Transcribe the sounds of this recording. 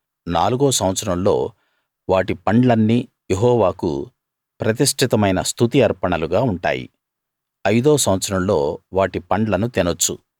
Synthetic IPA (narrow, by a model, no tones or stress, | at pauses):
naːluɡoːsɐwɐt̪sɐɾɐmlo̞̰ː | ʋaːʈipɐɳɖlɐnːiː | jeɦɔːʋaːkṵ | pɾɐt̪̬iʂʈʰit̪ɐmɐjnɐst̪ʰut̪iɐɾpɐɳɐluɡaːuɳʈa̰ːjḭ | ɐjd̪oːsɐwɐt̪sɐɾɐmlo̞̰ːʋaːʈipɐɳɖlɐnut̪inot͡ʃːṵ